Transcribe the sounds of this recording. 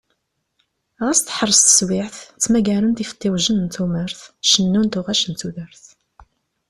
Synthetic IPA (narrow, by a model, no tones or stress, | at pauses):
ʁæst̪ħəɾˤːəst̪ə̥swɪʕθt͡sːmæɡæɾunt̪ifə̥t̪ːiwʒənnt̪uməɾθʃənːunt̪ʊʁæʃənt̪uðəɾθ